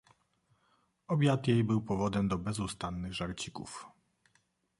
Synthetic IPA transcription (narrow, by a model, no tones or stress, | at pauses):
ɔbʲjat̪jejbɘwpɔvɔd̪ɛmd̪ɔbɛzust̪anːɘɣʐaɾt͡ɕikṵf